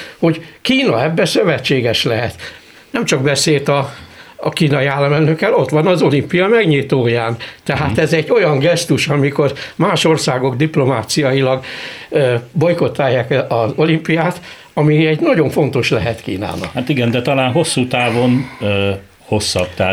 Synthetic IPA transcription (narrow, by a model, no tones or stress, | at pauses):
ho̞ɟkiːnɒɛbːɛsø̞vɛt͡ʃːeːɡɛʃlɛɦɛt̪ | nɛmt͡ʃɒɡ̚bɛseːlt̪ɒ | kiːnɒiaːlːɒmɛlnøkːɛlo̞t̪ʋɒnɒzo̞limpijɒmɛɡɲit̪oːjaːnt̪ɛɦat̪ɛzɛɟːo̞jɒŋɡɛst̪uʃɒmiko̞rmaːʃo̞rsaːɡo̞ɡd̪iplo̞maːt̪sijɒjilɒɡ | bo̞jko̞t̪ːaːjaːkʔɒzo̞limpijaːt̪ | ɒmiɛɟnɒɟo̞ɱfo̞n̪t̪o̞ʃlɛɦɛt̪kḭːna̰ːnɒ̰khat̪iɡɛnd̪ɛt̪ɒlaːnɦo̞sːuːt̪aːvo̞n | ho̞sːɒbt̪ɛ